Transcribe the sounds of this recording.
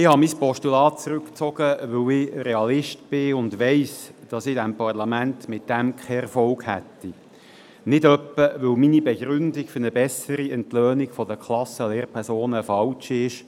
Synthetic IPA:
ɪhɑmispɔʃtulɑːt̚t͡sɾʉkt͡sɔɡ̥əʋɵwɪɾeɑlɪʃtb̥ɪʊndʋɛɪsd̥ɑsɪdɛmpɑrlɑmænt̪mɪt̚d̥ɛmkʰɛɛɾfɔlɡhɛ̰tːi | nɪdœpːəʋœwminibeɡɾʏndɪkfʏɾnəbɛsəɾiɛntløːnɪɡfɔdəkʰlɑsəleːrpʰɛɾsoːnəfɑlt͡ʃiɪʃ

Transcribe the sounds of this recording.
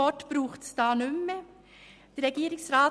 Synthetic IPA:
ɔtb̥ɾuːχtsd̥ɑːnʉmə | d̥əɾʁɛɡiːɾɪŋsʁɑː

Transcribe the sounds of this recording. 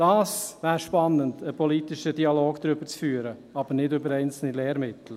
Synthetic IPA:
d̥ɑːsvæːɾʃpɑnːəndəpʰɔlit̪ɪʃədiɑloːɡ̥d̪ɾʏbəɾt͡sfyːəɾəɑbəɾnɪdʏbəɾɛɪnt͡sl̩nilɛːɾmɪt̪l̩

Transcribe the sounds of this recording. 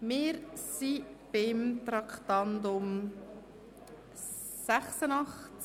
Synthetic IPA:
mɪɾsib̥ɪmt̪ɾɑkχt̪ɑnd̪ʊm | sæχsənɑχ

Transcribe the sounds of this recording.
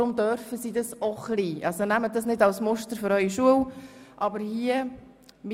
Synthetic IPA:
ʊmdœɾfəsidɑsɔχliːʔɑlsonæmədɑsnɪdɑlsmɔʃtəɾfʏɾœʏiʃuəwʔɑbəɾhiə | m

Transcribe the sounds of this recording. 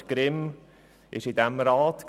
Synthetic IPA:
ɡ̥ɾɪm | ʔɪʃidæmɾɑːt̪k

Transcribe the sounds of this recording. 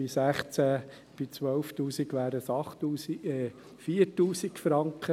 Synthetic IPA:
ɪsæχt͡sæ | b̥ɪt͡sʋœlft̪uːsikʋæːɾəsɑχtuːsiɛ | fiəɾtuːsikfɾɑŋkχə

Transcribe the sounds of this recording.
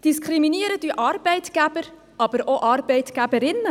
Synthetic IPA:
d̥iskχɾiminiəɾəd̪yʔɑɾb̥ɛɪtɡ̥æb̥əɾ | ɑb̥əɾoʔɑɾbɛɪtɡ̥æbəɾɪnːə

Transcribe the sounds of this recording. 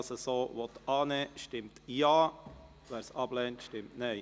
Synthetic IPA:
səsoːʋɔt̪ɑːnɛːʃtɪmtjɑː | ʋæːɾsɑb̥lɛːntʃtɪmtnɛɪ

